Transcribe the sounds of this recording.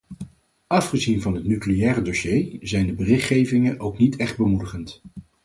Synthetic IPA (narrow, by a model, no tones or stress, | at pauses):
ʔɑfχəzinvɑnɦətnyklijɛːrədoʃejzɛjndəbərɪχtχejvɪŋənʔowknitʰɛχd̚bəmudəχənt